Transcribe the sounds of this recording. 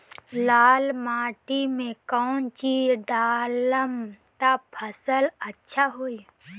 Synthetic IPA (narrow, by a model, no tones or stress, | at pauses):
laːlmaːʈimẽkɔːnt͡ʃiːd͡ʒɖaːləmt̪apʰəsələtːʃʰaɦoi